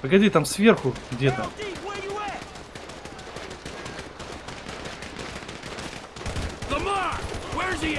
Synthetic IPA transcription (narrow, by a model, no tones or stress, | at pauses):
pəɡɐdʲit̪amsvʲerxʊɡd̪ʲet̪amiwɛjɨɛ | ðəmɑwɛɹzi